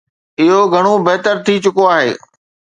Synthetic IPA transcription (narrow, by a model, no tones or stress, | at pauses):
ɪɦoɡʱɐɽ̃obɐɦt̪əɾt̪ʰit͡ɕʊkoaːɦḛː